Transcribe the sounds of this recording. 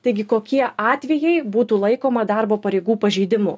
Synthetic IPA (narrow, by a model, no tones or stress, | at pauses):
t̪ɐɪɡʲɪkoːkʲiɛʔɑːt̪ʲʋʲɛjɛɪbuːt̪uːlˠɐɪkoːmɐd̪ɑrboːpɐɾʲɛɪɡuːpɐʒʲɛːd̪ʲɪmʊ